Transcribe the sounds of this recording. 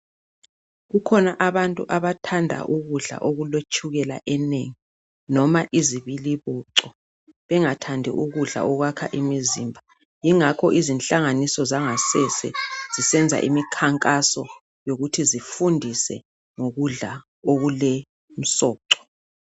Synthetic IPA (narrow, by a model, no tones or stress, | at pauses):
ɣukʰɔnaʔaβantʼuʔaβatʰandʱa̰ʔuɣuɮa̰ʔoɣulet͡ʃʼʰuɣɛla̰ʔɛneŋi | nɔmaʔiziβiliβɔǀɔ | βɛŋatʰandʱɛ̰ʔuɣuɮa̰ʔɔɣwakʰa̰ʔimiziːmbʱa | jiŋakʰɔʔizinɬaŋanisɔzaŋasɛsɛ̰z̥isɛnd͡zʱa̰ʔḭmikʰaŋkʼasɔ | joɣutʰizifundʱisɛ̰ | ŋoɣuɮa | oɣulɛ | m̩sɔːǀɔ̥